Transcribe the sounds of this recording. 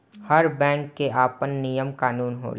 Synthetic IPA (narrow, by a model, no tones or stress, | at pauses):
hɐɾbɛ̃ːŋkːeʔaːpənːijəmkaːnuːnɦo̰ːl